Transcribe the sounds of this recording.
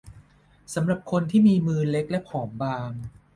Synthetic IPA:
sa˩˦mɾa˨˩p̚kʰo˧nt̪ʰiː˥˩miː˧mɯː˧le˦˥k̚lɛ˦˥pʰɔː˩˦mbaː˧ŋ

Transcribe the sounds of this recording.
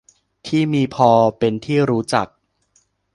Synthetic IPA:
t̪ʰiː˥˩miː˧pʰɔː˧pe˧nt̪ʰiː˥˩ɾuː˦˥t͡ɕa˨˩k̚

